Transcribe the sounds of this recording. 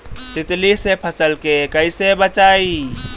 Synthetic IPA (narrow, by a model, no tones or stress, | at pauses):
t̪ɪt̪lisepʰəsəlkekəisebət͡ʃaːi